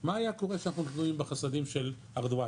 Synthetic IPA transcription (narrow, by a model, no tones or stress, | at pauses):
maːjako̞ʁeʃanaχnumitluimbeχasadimʃel | aʁd̪ua